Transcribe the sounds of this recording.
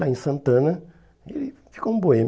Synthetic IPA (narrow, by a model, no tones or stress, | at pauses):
aẽsɐ̃nt̪ɐ̃nɐ | elɪfi̥koũboem